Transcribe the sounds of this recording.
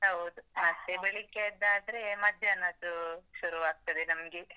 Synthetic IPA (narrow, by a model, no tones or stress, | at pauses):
ɦɐwd̪umɐt̪ːebeɭikːeid̪ːaːd̪ɾeːmɐd̪ʱjɐɐnːat̪uʃuɾuʋaːɡ̚t̪ɐd̪enɐmɡe